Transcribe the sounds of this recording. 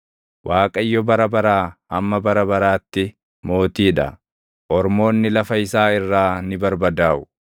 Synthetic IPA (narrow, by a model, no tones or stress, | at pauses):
wʔaːkʼɐjːɔbɐɾɐbɐɾaːʔɐmːɐbɐɾɐbɐɾaːt̪ːɪ | mo̞ːt̪iːᶑɐ̰ | ʔɔɾmo̞ːnːɪlɐfɐɪsaːɪrːaːnɪbɐɾbɐd̪aːʔʊ̥